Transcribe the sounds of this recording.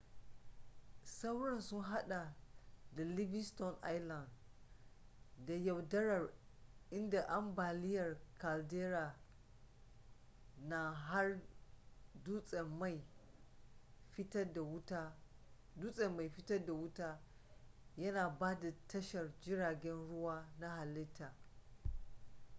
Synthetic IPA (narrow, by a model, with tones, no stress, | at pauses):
sa˦wɽɐ˨nsʊ˦nɦa˦ɗa˨da˨li˦bɪ˦stɔ˨nʔa˦jla˨nd | da˨ja˨wdɐ˦ɾɐ˨rʔɪ˦nda˨ʔa˦mbaː˨lɪ˦jɐ˨rka˨ldeː˦ɾaː˨ | na˨ɦa˦r | du˦ɛ˨a˦˨ | ɸɪ˦tɐ˦da˨wta˦ | duː˦sʼɛ˨mːa˨jɸɪ˦tɐ˦da˨wʊ˦taː˦ | jɐ˦naː˨baː˦da˨tɐ˦ʃɐ˨rd͡ʒɪ˦ɽaː˨ɡʲɛ˦nɽʊ˦waː˦na˦ɦa˨lɪ˦tʰːaː˨